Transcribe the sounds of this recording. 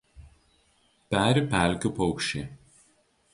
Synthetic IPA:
pʲæːɾʲɪpʲæˑlʲkʲʊpɔʊkʃʲt͡ʃʲe

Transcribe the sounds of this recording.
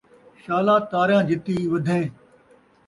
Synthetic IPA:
ʃaːlaːt̪aːɾjãːd͡ʒɪt̪iːʋɐd̪ʱẽː

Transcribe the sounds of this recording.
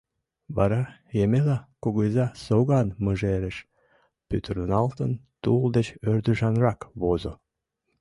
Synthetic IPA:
βɑɾɑjemelɑkoɣojzɑsoɣɑnməʒeɾeʃ | pyt̪rnɑlt̪ənt̪uld̪et͡ɕørd̪yʒɑnrɑkβozo

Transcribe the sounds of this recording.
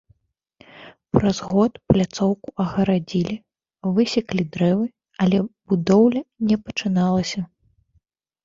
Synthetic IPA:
pɾɐzɣɔt̪plʲat̪sɔwkuʔɐɣɐɾad͡zʲilʲi | vɨsʲiklʲid̪ɾɛvɨ | ɐlʲɛbud̪ɔwlʲɐnʲɛpɐt͡ʂɨnalˠɐsʲɐ

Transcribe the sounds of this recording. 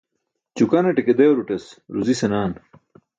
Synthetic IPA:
t͡ɕukɐneʈeked̪ejoɾuʈesɾuzisenaːn

